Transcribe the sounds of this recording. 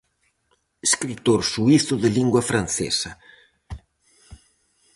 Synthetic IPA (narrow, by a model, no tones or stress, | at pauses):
eskɾit̪oɾsuiθʊðɪliŋɡwɐfɾan̟θḛsɐ